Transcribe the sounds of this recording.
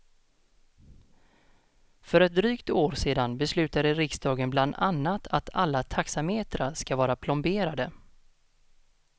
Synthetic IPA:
fœɾɛt̪̚d̪ɾyːkt̪oːɾseːd̪anbɛslʉ̟ːt̪aɾəɾɪksd̪ɑːɡənbland̪anːat̪ʰat̪ʰalːat̪ʰaksameːt̪ɾaskavɑːɾapʰlɔmbeːɾad̪ə

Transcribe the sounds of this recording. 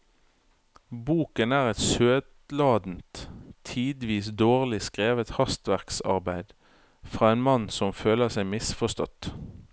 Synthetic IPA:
buːkənæːʁɛt̪søːd̪lɑːd̪n̩t̪ʰiːd̪ʋiːsd̪oːʁlɪskʁeːʋət̪hɑst̪ʋæʁksɑ̰ʁbæɪd̪ | fʁɑːeːnmɑnsɔmføːləʁsæɪmɪsfɔst̪ɔ̰t̪

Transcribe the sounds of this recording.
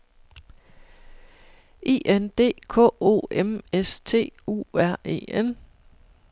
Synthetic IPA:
e̝̰ːʔend̥e̝̰ːkʰɔ̰̽ːo̝̰ːemest͡sʰe̝̰ːṵːæɐ̰e̝̰ːen

